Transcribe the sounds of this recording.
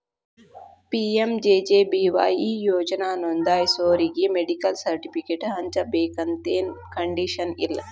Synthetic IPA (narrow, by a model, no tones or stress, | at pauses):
piːemd͡ʒeːd͡ʒeːbiːʋa̰ːjiːjoːd͡ʒɐnaːnond̪aːjsoːɾiɡimeɖikɐlsɐɾʈipʰikeʈɦɐɲt͡ʃɐbeːkɐnt̪eːnkɐɳɖiʃɐnḭl